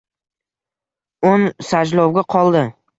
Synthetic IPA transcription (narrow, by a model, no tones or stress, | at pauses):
onsad͡ʒlɒwɡʲaqʰɒlˠd̪ɪ